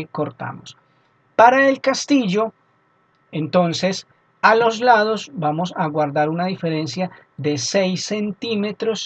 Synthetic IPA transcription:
ko̞ɾt̪a̰mos | paɾaelkast̪iʝo̞ | ent̪o̞nse̞s | alo̞zlaðo̞sbamo̞saɣwaɾd̪aɾunaðife̞ɾe̞nsja | ðe̞sejsːe̞nt̪ime̞t̪ɾo̞s

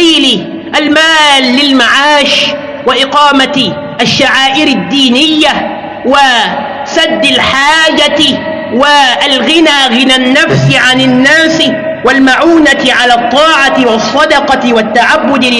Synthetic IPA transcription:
iːl | ʔalmaːlːɪlmaʕaːʃ | waʔɪqɑːmat̪ | ʔaʃːaʕaːʔɪɾɪd̪ːiːnɪjːa | wa | sad̪ːalħaːd͡ʒa | waʔalɣɪnaːɣɪnanːafsɪʕanɪnːaːsɪ | walmaʕuːnat̪ɪʕalaːt̪ˤːɑːʕat̪ɪwɑsˤːɑd̪ɑqɑwat̪ːaʕabːʊd̪

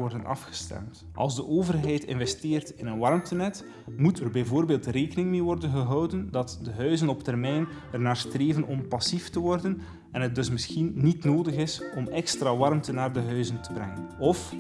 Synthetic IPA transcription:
ɔrdənʔɑ̰fxə̥stɛ̰mt | ʔɑ̰lˠzdəʔoːvərɦɛjtɪ̰nvɛsteːrtɪnənʋɑrmtənɛt | mutərbɛjvoːrbeːlˠtreːkənɪŋmeːʋɔrdənɣəɦɑwdəndɑtdəɦœɥzənɔptɛrmɛjn | ɛrnaːrstreːvənɔmpɑsiftəʋɔrdən | ɛnɦət̚dɵs̬mɪsxinnitnoːdəɣɪsɔmɛkstraːʋɑrmtənaːrdəɦœɥzəntəbrɛŋənɔf

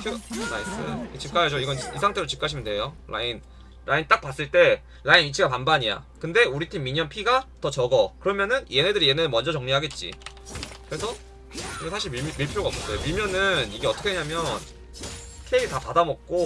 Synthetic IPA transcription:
pʰjolais͈ɯ̰ket͡ɕip̚k͈ajʌd͡ʑoiɡʌnisʰaŋtʰedot͡ɕip̚k͈aɕʰimʌndwe̞jola̰in | ɾʔaint͈ak̚p͈as͈ɯɭt͈e̞ | lainit͡ɕʰiɡapanbaɲija̰kɯnde̞uɾitʰimːiɲʌnpʰiɡatʌt͡ɕʌɡʌkɯɾʌmjʌnɯnje̞nedɯɾije̞neɯmʌnd͡ʑʌt͡ɕʌŋɲiɦaɡe̞t̚t͡ɕ͈ḭ | kɯɾe̞sʰʌ | iɡʌsʰaɕʰiɭimiɭpʰjoɡaks͈ʌs͈ejomimjʌnɯniɡe̞ʌt͈ʰʌkʰeeɲamjʌn | kʰeitapadamʌk̚k͈o

